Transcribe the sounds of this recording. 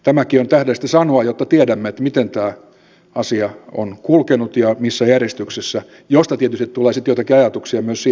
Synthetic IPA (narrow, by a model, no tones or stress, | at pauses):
t̪æmækiont̪æhdesi̥t̪ːesɑnoɑjot̪ːɑt̪iedæmːeet̪mit̪ent̪æː | ɑsiɑo̰nkulkenut̪jɑmisːæjærjest̪yksesːæ | jost̪ɑt̪iet̪yst̪it̪t̪uleːsit̪jot̪ɑkiɑjɑt̪uksiɑmyøssi